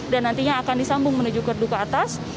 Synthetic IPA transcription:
danːant̪iɲaːkandisambʊŋmənud͡ʒʊkərdukaːt̪as

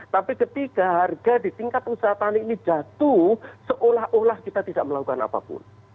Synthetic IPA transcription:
t̪apikət̪ikaɦarɡadit̪iŋkat̪usat̪aninid͡ʒat̪usəʔolahʔolahkit̪at̪idaʔməlaku̥kana̰pa̰pʊ̰n

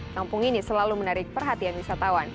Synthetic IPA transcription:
kampʊŋinisəlalumənaɾɪk̚pərɦat̪ianwisat̪awan

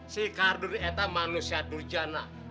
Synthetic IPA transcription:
sikarduɾiɛt̪amanusiadurd͡ʒana

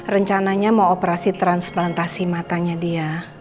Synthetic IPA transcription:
rəɲt͡ʃanaɲaməŋopəɾasit̪ɾansplant̪asimat̪aɲadia

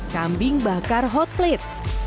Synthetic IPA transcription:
kambɪŋbakarɦɔt̪̚lɛt̪̚

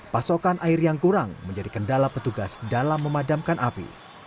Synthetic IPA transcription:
pasokanʔairjaŋkuɾaŋməɲd͡ʒadikəndalapət̪uɡasdalamːəmadamkanʔapḭ

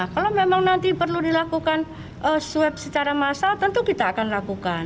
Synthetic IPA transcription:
kalomemaŋnant̪ipərludilakukan | ʔəsuɛp̚sət͡ʃaɾamasalt̪ənt̪ukit̪aːkanlakukan

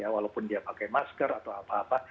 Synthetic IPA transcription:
jawalaupʊndiapakajmaskərat̪awapaːpa

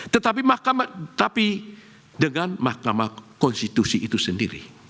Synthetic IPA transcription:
t̪ət̪ap̬imahkamat̪api | dəŋanmahkamakɔnst̪it̪usiʔːt̪usəndiɾḭ

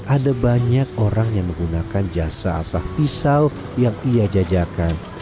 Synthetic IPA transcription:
ʔadabaɲak̚oɾaŋjaŋməŋɡunakand͡ʒasa̰ːsahpisal | jaŋiad͡ʒad͡ʒakan

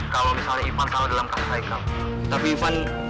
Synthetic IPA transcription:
kalamisalnaifankaladalamkasi̥saika | t̪apiːfan

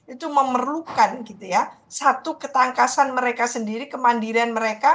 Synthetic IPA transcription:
it̪uməmərlukanɡit̪uja | sat̪ukət̪aŋkasanməɾekasəndiɾikəmandiɾianməɾeka

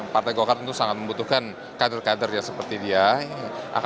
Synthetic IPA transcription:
part̪ajɡokarənt̪usaŋat̪̚məmbut̪uhkan | kadərkadərjaŋsəpərt̪idiaʔa̰k

